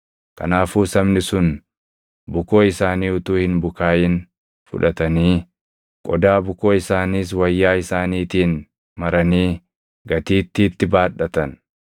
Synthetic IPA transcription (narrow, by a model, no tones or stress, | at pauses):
kɐ̰naːfuːsɐmnɪsʊn | bʊko̞ːɪsaːniːʊt̪uːhɪnbʊkaːjɪn | fʊ̰ᶑɐt̪ɐniː | kʼɔd̪aːbʊko̞ːɪsaːniːs̬wɐjːaːɪsaːniːt̪iːn | mɐɾɐniː | ɡɐt̪iːt̪ːiːt̪ːɪbaːᶑːɐt̪ɐn